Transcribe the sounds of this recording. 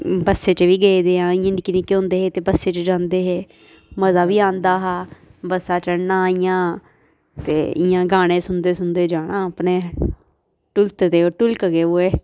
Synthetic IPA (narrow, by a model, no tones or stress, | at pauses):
bəsːeːt͡ʃəʋiːɡeed̪eːãːɪãːnɖkɪnĩːkõːnd̪eːɦeːt̪eːbəsːeːt͡ʃəd͡ʒãːnd̪eːɦeː | məzaːʋiːãːnd̪aːɦaːbəsːaːt͡ʃəɽnãːɪjãː | t̪eːɪ̰jãːɡaːɽ̃ẽːsʊnd̪eːsʊnd̪eːd͡ʒaːɽãːpneː | ʈʊlt̪d̪eːoːʈʊlkɡeːoːeː